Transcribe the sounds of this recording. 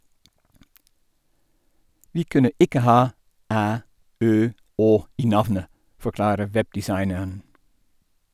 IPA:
ˈʋiː ˈkʉnə ˈɪkə ˈhɑː ˈæː ˈøː ˈoː ˈiː ˈnɑʋnə fɔˈklɑːɾə ˈʋɛbdɪˌsɑɪnəɳ

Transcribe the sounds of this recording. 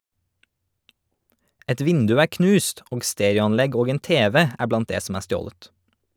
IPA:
ˈɛt ˈʋɪndʉ ˈæː ˈknʉːst ˈoːɡ ˈsteːɾjʊɑnˌlɛɡ ˈoːɡ ˈeːn ˈteːʋɛ ˈæː ˈblɑnt ˈdeː sm̩ ˈæː ˈstjoːlət

